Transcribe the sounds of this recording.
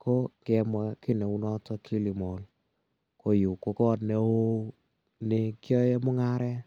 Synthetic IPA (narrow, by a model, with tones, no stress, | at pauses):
kʰo˦kɛ˨mwa˦ki˦ne˨u˦nɔ˦tɔ˦kʰi˦li˨mɔ˨l | kʰo˨ju˨ko˨kɔ˦ne˨˦o˦ | nɪ˨kjɔ˦je˦mʊ˦ŋa˦ɾɛ˦